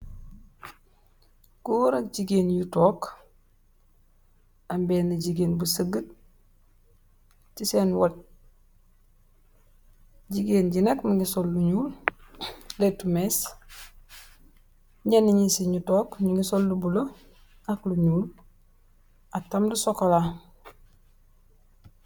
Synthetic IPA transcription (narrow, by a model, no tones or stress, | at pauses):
kuɾɐk̚ɟiɡeːnjutɔːk | ambeːnɐɟiɡeːnbusəɡət | tiseːnwɐt̚ | ɟiɡeːnɟinekmiɡisolːuɲuːl | letumeːs | ɲeniɲisiɲutoːkɲiŋɡisolːubulo | akluɲuːl | atamdusokola